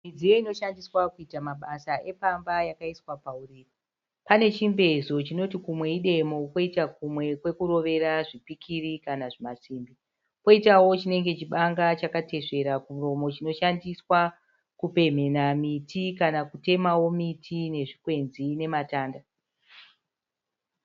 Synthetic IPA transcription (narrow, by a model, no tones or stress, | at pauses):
mid͡zijo̞ino̞ʃandiswakuitamaɓasaʔe̞pambajakaiswapauriːro | pane̞t͡ʃimbe̞zo̞t͡ʃino̞tikumwe̞iɗe̞mo̞kwo̞itak̚umwe̞kwe̞kuɾo̞ʋe̞ɾaʐipikʰirikanaʐimasiːmbi | po̞itawo̞t͡ʃine̞ŋɡe̞t͡ʃiɓaŋɡat͡ʃakate̞ʂe̞ɾakumuro̞mo̞t͡ʃino̞ʃandiswa | kupe̞m̤e̞namitʰikanakute̞mawo̞mitʰine̞ʐikwe̞nzine̞mataːnda